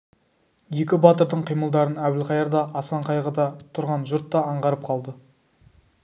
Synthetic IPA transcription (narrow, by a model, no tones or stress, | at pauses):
je̞kʲɪbɑt̪əɾd̪əɴqʰijməlˠd̪ɑɾənæwɪlqʰɑjɑɾd̪ɑʔɑsɑɴqʰɑjʁəd̪ɑt̪ʰʊɾʁɑnʒʊɾt̪ːɑɑɴʁɑɾəp̚qʰɑlˠd̪ə